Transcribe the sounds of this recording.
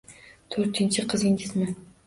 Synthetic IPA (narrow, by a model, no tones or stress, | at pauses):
t̪ʰɵɾt̪ʰɪnt͡ʃʰɪqʰɨzɪŋɡʲɪzmɪn